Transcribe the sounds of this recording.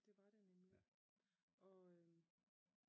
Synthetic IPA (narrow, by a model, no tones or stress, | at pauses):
d̥e̝ʋɑ̈ɾ̥anemli | ʔɒ̽ø